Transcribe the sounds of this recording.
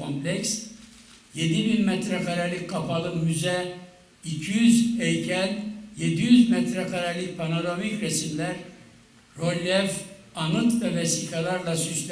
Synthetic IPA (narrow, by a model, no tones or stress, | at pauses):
omplʲɛks | je̞d̪ibinmɛt̪ɾɛkʰaɾalʲickʰːapʰalˠɯmyzɛ | icʰijyzɛjcʰænje̞d̪ijyzmɛt̪ɾɛkʰaɾalʲic̚pʰanoɾomicɾesimlʲæɾ | ɾo̞lʲːɛv | anɯt̪vɛvesikʰalˠaɾlˠasysl